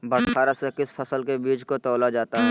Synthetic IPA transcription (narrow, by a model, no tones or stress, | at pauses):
bɐɽʰaːɾasekɪspʰɐsəlkebiːt͡ʃkot̪ɔːlad͡ʒaːt̪aɦɛː